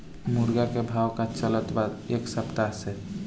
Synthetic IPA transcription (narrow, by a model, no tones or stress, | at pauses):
muɾɡakebʱaːwkat͡ʃələt̪bad̪eːksəpt̪ase